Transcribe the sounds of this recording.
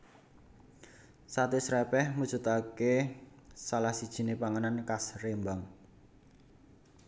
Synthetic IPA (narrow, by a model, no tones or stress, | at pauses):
sat̪isɾɛpɛhmu̥t͡ʃṳt̪ake | salahsid̥ʒ̥i̤nepaŋənankasrembaŋ